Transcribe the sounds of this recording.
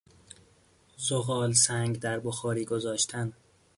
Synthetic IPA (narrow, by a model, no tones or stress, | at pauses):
zoɣɒːlsæŋɡd̪æɾboxɒːɾiːɡo̞zɒːʃt̪ʰæn